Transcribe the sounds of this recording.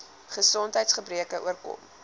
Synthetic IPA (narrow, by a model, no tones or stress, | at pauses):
χəsɔntɦəjtsχəbriəkəʔṵərkɔ̰m